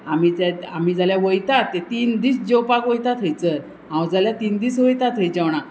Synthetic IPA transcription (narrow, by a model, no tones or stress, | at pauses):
amiaam̤id͡zaljaʋəjt̪at̪ːet̪iːnd̪iːsd͡ʑewpakʋəjt̪at̪ʰəjt͡sə | ɦãwd͡zaljat̪iːnd̪iːsʋəjt̪at̪ʰəjt͡ɕawɳ̃a